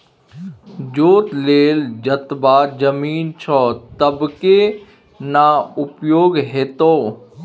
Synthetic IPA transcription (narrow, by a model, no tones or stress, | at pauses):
d͡ʒoːt̪leːld͡ʒɐt̪baːd͡ʒɐmiːnt͡ʃʰɔːt̪ɐbke | naʊpjoːɡɦeːt̪oː